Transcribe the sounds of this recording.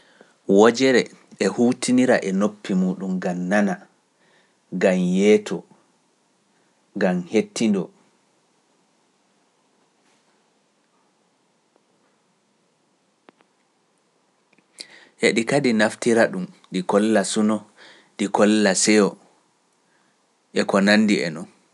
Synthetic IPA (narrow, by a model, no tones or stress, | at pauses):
wɔd͡ʒɛɾɛ | ɛhuːtʰiniɾaʔɛnopːimuːɗumɡamːana | ɡamjɛːtʰɔ | ɡamhetːindɔ | heɗikadinaftiɾaɗum | ɗikɔlːasunɔ | ɗikɔlːasɛjɔ | ʔɛkɔnanːdiɛ̰nɔn